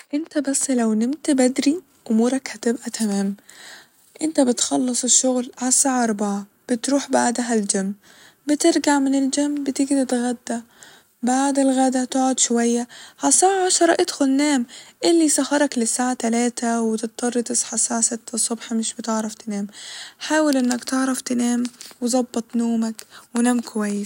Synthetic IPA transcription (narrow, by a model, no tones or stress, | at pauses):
ʔɪnt̪abasːlawnɪmt̪bad̪ɾi | ʔʊmuːɾˤɑkhat̪ɪbʔat̪ʰameːm | ʔɪnt̪abɪt̪xɑlːɨsˤɪʃːʊɣlʕasːaːʕaʔɑɾˤbɑʕa | b̥ɪt̪ɾuːħbaʕd̪aɦald͡ʒamː | bɪt̪ɪɾɡaʕmɪnɪld͡ʒamːbɪt̪ɪɡd̪ɪt̪ɣad̪ːa | baʕd̪ɪlɣad̪at̪ɪʕʊd̪ʃʊwajːaʕasaːʕaʕaʃɑɾˤɑʔɪd̪xʊlnaːmʔɪlːisahɑɾˤɑklɪsːaːʕat̪alaːt̪awɪt̪ɪt̪̚ˤːɑrˤːt̪ɪsˤħasaːʕasɪt̪ʰːɑsˤːʊbħmɪʃbɪt̪ɪʕɾˤɑft̪ɪneːmħaːwalʔɪnːakt̪ɪʕɾˤɑft̪ɪnaːmwɪzˤɑbːɑt̪ˤnoːmakwɪnaːmkʊwajːɪs